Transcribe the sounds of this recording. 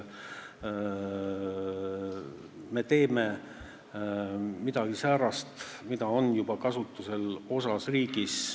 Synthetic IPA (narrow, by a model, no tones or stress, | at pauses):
me̞t̪e̞ːme | mid̪̥ɑɡ̥isæːɾɑst̪mid̪ɑo̞njub̥ɑkɑsut̪ːˑuse̞lo̞sɑsriːɡ̥is